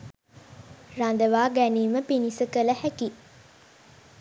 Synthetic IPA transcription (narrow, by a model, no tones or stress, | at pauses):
rand̪əʋaːɡæniːməpinisəkələhæki